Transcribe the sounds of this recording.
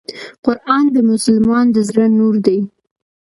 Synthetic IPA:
qʊɾʔɑnd̪əmʊsʊlmɑnd̪əzɾənːuɾd̪aj

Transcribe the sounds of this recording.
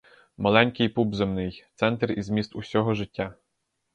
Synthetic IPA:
mɐlˠɛnʲkɪjpubzemnɪjt̪sɛnt̪rizmʲist̪usʲɔɦɔʒɪtʲːa

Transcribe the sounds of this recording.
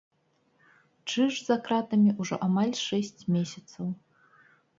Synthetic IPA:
t͡ʂɨʐzakɾat̪ɐmʲiʔuʐɔ̰ʔamalʲʂɛsʲt͡sʲmʲesʲɐt̪sɐw

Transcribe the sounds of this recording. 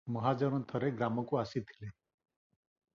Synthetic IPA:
mɔɦad͡ʒɔɾɔnt̪ʰɔɾeɡɾamɔkuasit̪ʰi̥le

